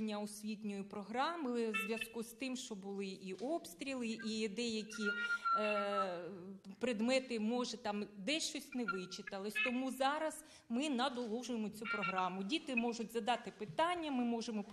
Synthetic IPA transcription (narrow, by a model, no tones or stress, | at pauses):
nʲːɐɔsʲʋʲit̪ʲnʲɔjipɾɔɦɾɑmɪzʲʋʲjɐskust̪ɪmʃt͡ʃɔbʊlˠɪʔiʔɔpst̪ɾʲilˠɪʔid̪ɛjɐkʲi | pɾɪd̪mɛt̪ɪmɔʒɛt̪ɑmd̪ɛʃt͡ʃɔsʲtʲnɛʋɪt͡ʃɪt̪ɐlˠɪsʲt̪ɔmuzɑɾɐz̥ | mɪnɐd̪ɔlˠuʒʊjemɔt͡sʲupɾɔɦɾɑmʊdʲit̪ɪmɔʒʊtʲzɐd̪ɑt̪ɪpɪt̪ɑnʲːɐmɪmɔʒemɔp